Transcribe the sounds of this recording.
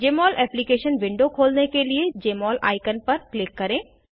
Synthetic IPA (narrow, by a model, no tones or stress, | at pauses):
d͡ʒeːmɔːlɛːplikeːʃənʋɪ̃ɳɖokʰoːlnekelied͡ʑeːmɔːlʔa̰ːɪkənpɐɾpleːkːɐɾẽː